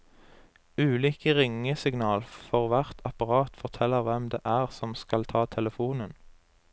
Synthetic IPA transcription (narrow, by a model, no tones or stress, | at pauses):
ʉːliːkəʁɪŋəsɪɡnɑːlfɔʁʋæʁt̪ʰɑpɑʁɑːt̪fɔʁt̪ʰɛlːəʁʋɛmd̪ḛːʔæːʁsɔmskɑlt̪ʰɑːt̪ʰɛləfuːnən